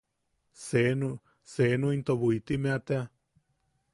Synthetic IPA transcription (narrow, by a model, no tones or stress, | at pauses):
senũ | senũint̪oβuit̪imẽat̪ea